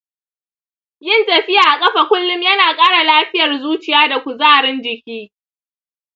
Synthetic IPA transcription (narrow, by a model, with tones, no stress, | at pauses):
jɪ˦˨ntɐ˨ɸɪ˦jaː˨ʔa˨kʼɐ˦ɸa˨kʷʊ˦lːʊ˦mjɐ˦naː˨kʼaː˦ɽa˨laː˦ɸɪ˦jɐ˨rzuː˦t͡ʃɪ˨jaː˦da˨kʷu˨zaː˦˨ɾɪ˦nd͡ʒɪ˨kʲiː˦